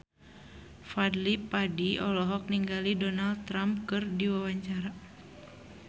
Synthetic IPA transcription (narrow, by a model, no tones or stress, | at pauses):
fadlipadiʔɔlɔɦɔk̚niŋɡalidɔnald̪̚t̪ɾamp̚kɨrdiwawaɲt͡ʃaɾa